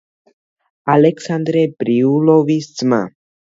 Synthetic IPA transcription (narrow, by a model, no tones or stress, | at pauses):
aleksand̪ɾebɾiulovist͡sma̰